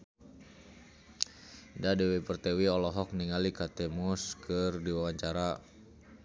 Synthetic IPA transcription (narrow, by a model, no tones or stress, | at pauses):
dadɛwipərt̪ɛwiɔlɔɦɔk̚niŋalikat̪ɛmɔskɨrdiwawaɲt͡ʃaɾa